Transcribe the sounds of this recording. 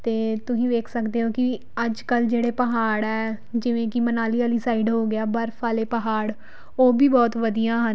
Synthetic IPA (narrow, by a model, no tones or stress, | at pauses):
t̪eːt̪ʊsĩːʋeːkʰsəkd̪eːɦoːkɪ | əd͡ʒkəld͡ʒeːɽeːpəɦaːɽɛː | d͡ʒɪʋẽːkɪmənaːliːaːliːsaːiːɖɦoːɡɪaːbəɾfʰaːleːpəɦaːɽ | oːbiːbɔːt̪ʋəd̪ijãːɦən